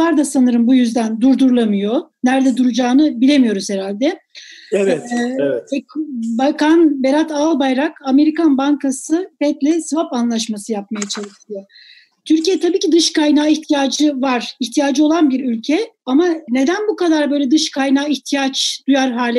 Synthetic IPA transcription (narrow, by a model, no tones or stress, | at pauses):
aɾd̪asanɯɾɯmbujyzd̪ænd̪uɾd̪uɾlˠamɯjo̞næɾd̪ɛd̪uɾud͡ʒaːnɯbilʲe̞mijo̞ɾuz̥heɾalʲd̪ɛ | ɛ | ɛkbakʰanbeɾat̪ʰaːlˠbajɾakame̞ɾikanbaŋkʰasɯbɛt̪lʲɛsvapanlˠaʃ̬masɯjap̚majat͡ʃʰeliciijo | t̪ʰyɾcijɛt̪ʰabiːcid̪ɯʃkajnaːiçt̪ʰijaːd͡ʒɯvaɾ̥içt̪ʰijaːd͡ʒɯo̞lˠanbiɾylʲcʰɛamane̞d̪ænbukad̪aɾbø̞jlʲɛd̪ɯʃkʰajnaːiçt̪ʰijat͡ʃd̪̥ujaɾɦaːlʲɛ